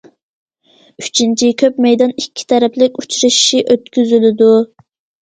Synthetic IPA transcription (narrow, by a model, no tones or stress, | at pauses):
yt͡ʃʰint͡ʃʰikʲʰøpmɛjd̪ɑnikʲʰːi̥t̪ʰɛɾɛpʰlɪkʲut͡ʃɾɨʃi̥ʃiʔøt̪kʲyzylɪd̪u